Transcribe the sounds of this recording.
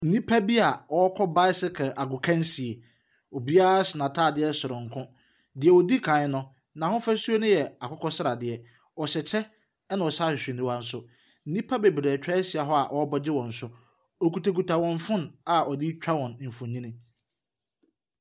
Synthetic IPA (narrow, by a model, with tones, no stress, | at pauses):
n̩˨nĩ˦pʰa˦bi˦a˨ɔ˨˦ɔ˦kʰɔ˦ba˦ɪ˦sɪ˦kʰʔa˨ɡʊ˨kʰã˦nsi˨e˨ | ɔ˨bi˦a˦ɾa˦sɪ˨nã˨tʰa˦˨dɪ˦ɛ˦sʊ˨ɾʊ̃˨ŋ˨kʰʊ̃˦ | dɪ˨ɛ˨wɔ˨di˦kʰã˨˦ɲɪ̃˦nʊ̃˦ | nã˨hʊ̃˦fa˦su˦o˦nʊ̃˦jɛ˨a˨kʰʊ˦kʰɔ˦sɪ˦ɾa˨dɪ˨ɛ˨ | ɔ˨ɕɛ˨t͡ɕʰɛ˦ | ɛ˦nã˨ɔ˨sa˦ɕᶣɪ˨ɕᶣɪ˨nɪ̃˦wa˦n̩˦sʊ˦ | n̩˦nĩ˦pʰa˦be˨bɾɛː˨t͡ɕᶣa˦ɛ˦sɪ˨a˨ɦɔ˦a̰˨ʔɔ˨˦ɔ˦bɔ˦d͡ʑɪ˦wɔ̃˨n̩˨sʊ˦ | ɔ˨ku˨tʰe˨ku˨tʰa˨wɔ̃˨nfʊ̃˦na˨ʔɔ˨dɪ˦t͡ɕᶣa˦wɔ̃˨n˨m̩˨fʊ̃˨ɲĩ˦nɪ̃˦